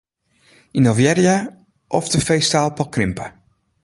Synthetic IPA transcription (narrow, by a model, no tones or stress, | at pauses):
inovjɛɾia | ʔɔfdəfejstaːlˠpɔkrɪmpə